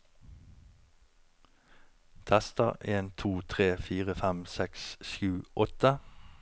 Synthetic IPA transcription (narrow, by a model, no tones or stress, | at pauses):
t̪ʰæst̪əʁeːnt̪ʰuːt̪ʰʁeːfiːʁəfæmsɛksʃjʉːʔɔt̪ə